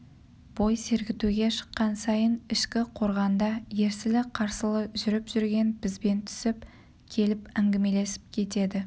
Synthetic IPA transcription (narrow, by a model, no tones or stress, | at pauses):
b̥o̞jse̞ɾɡʲɪt̪uɡʲe̞ʃə̥qːɑnsɑjənɪʃkʲɪqʰo̞ɾʁɑnd̪ɑje̞ɾsɪlɪqʰɑɾsəlˠəʒʏɾɪpʒʏɾɡʲe̞nbɪzbe̞nt̪ʰʏ̥sɪp̚ | kʲʰe̞lɪpæŋɡʲɪme̞le̞sɪ̥p̚kʲʰe̞t̪e̞d̪ɪ